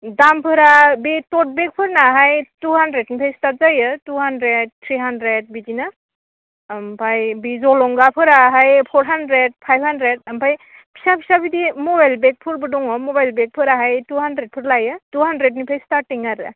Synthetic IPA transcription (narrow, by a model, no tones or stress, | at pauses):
dampʰɯɾabitɔt̚bek̚pʰɯɾnaɦajtuhandɾednipʰajstat̚zajɯtuɦandɾed̚t̪ʰɾiɦandɾed̚bidinɯ | mpʰajbizɔlɔŋɡapʰɯɾaɦajpʰɔɾɦandɾed̚pʰajbʰhandɾed̚ampʰaj | pʰi̥sapʰisabidimɔbajlbek̚pʰɯɾbɯdɔŋɔmɔbajlbek̚pʰɯɾaɦajtuɦandɾed̚pʰɯɾlajɯtuɦandɾed̚nipʰajstaɾtːiŋaɾɯ̰